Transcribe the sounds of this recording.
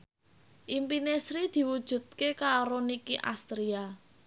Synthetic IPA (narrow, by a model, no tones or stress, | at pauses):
ʔimpinesɾid̪̥i̤wud̥ʒ̥ṳt̪̚kekaɾonikiʔa̰st̪ɾia